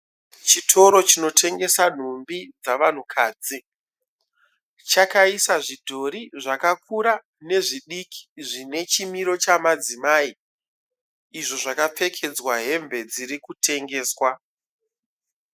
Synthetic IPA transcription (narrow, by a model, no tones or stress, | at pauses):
t͡ʃitʰo̞ɾo̞t͡ʃino̞tʰe̞ŋɡe̞san̤umbid͡zaʋan̤ukʰaːd͡zi | t͡ʃakaisaʐidʱo̞ɾiʐakakʰuɾa | ne̞ʐiɗikʰi̥ʐine̞t͡ʃimiɾo̞t͡ʃamad͡zimaːi | iʐoʐakap͡fe̞kʰe̞d͡zwaɦe̞mbe̞d͡ziɾikutʰe̞ŋɡe̞ːswa